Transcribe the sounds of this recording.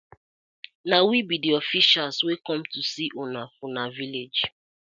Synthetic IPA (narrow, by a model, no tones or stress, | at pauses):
nawibidiɔfiʃalswekɔ̃mtusiʔonafonaviled͡ʒ